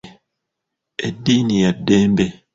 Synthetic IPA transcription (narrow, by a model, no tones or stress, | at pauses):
edːiːnijadːeːmbe